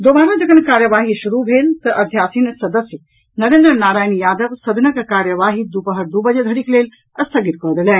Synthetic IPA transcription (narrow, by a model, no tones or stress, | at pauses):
d̪oːbaːɾãd͡ʒɐɡənkaːɾjəʋaːɦiʃuɾubʱeːlt̪ɐʔɐd̪ʱjaːsinsɐd̪əsjə | nɐɾeːnd̪ɾənaːɾaːjnijaːd̪əʋsɐd̪nəkkaːɾjəʋaːɦid̪upəɦəɾd̪ubəd͡ʒed̪ʱɐɾikleːl | ɐst̪ʰəɡit̪̚kəd̪elɛː